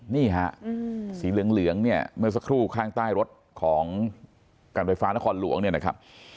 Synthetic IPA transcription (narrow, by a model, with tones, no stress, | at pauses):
niː˥˩ɦa˧˥ʔsiː˩˦lɯ˨˩˦əŋlɯ˩˦əŋni˥˩ɐmɯ˥˩əsa˧kʰɾuː˥˩kʰaː˥˩ŋt̪aː˥˩jɾo˦˥t̪̚kʰɔː˩˦ŋ | kaː˧nfaː˧jfaː˦˥na˦˥kʰɔː˧nlṵ˨˩˦əŋni˥˩na˦˥kʰa˦˥p̚